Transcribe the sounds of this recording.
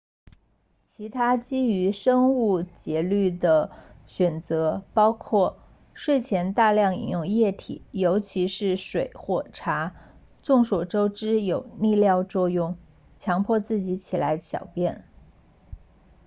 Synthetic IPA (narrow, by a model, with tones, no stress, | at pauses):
t͡ɕʰi˧˥t̪ʰa˥t͡ɕi˥y˧˥ʂɤ˥ŋu˥˩t͡ɕjɛ˧˥ly˥˩d̪ə˩ɕɥɛ˨˩nt͡sɤ˧˥pɑ˥ʊkʰwɔ˥˩ | ʂwe˥˩ɪt͡ɕʰjɛ˧˥nt̪a˥˧ljɑ˥˩ŋḭ˨˩njʊ˥˧ŋjɛ˥˩t̪ʰḭ˨˩˦jo˧˥ʊt͡ɕʰi˧˥ʂɻ̩˥˩ʂwe˨˩ɪxwɔ˥˩ʈ͡ʂʰa˧˥ | t͡sʊ˥˩ŋʂwɔ˨˩ʈ͡ʂo˥ʊʈ͡ʂɻ̩˥jo˨˩ʊni˥˧ljɑ˥˧ʊt͡swɔ˥˧jʊ˥˩ŋ | t͡ɕʰjɑ˧˥ŋpʰwɔ˥˧t͡sɹ̩˥˩t͡ɕi˧˥t͡ɕʰi˨˩la˧˥ɪɕjɑ̰˨˩ʊpjɛ˥˩n